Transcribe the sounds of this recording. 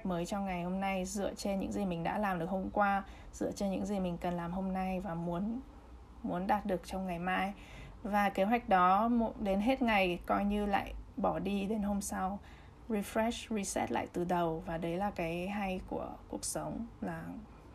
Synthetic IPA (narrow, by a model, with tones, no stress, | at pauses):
k̚məː˨˦jt͡ɕɔ˧wŋ͡mŋa˨˩jho˧mna˧jzɨ̰˧˨ət͡ɕe˧nɲɨ̰˧˥ŋzi˨˩mï˨˩ŋ̟ɗa̰ː˧˥laː˨˩mɗɨ˨˩ək̚ho˧mkwaː˧ | z̥ɨ̰˧˨ət͡ɕe˧nɲɨ̰˧˥ŋzi˨˩mï˨˩ŋ̟kə˨˩nlaː˨˩mho˧mna˧jvaː˨˩mu˨˦ən | mu˨˦ənɗaː˨˩t̚ɗɨ˨˩ək̚t͡ɕɔ˧wŋ͡mŋa˨˩jmaː˧j | vaː˨˩ke˨˦ɦwa˨˩jk̟̚ɗɔ˨˦mo˧˩ɗe˨˦nɦe˦˥t̚ŋa˨˩jkɔ˧jɲɨ˧la̰ː˧˨jɓɔ˧˩ɗi˧ɗe˨˦nɦo˧msa˧w | zi˧fɾɛ˦˥szi˧sɛ̰˦˥t̚la̰ː˧˨jt̪ɨ˨˩ɗə˨˩wvaː˨˩ɗə˨˦jlaː˨˩kaː˨˦jɦa˧jku˧˩əku˨˩ək̚sə˨˦wŋ͡mlaː˨˩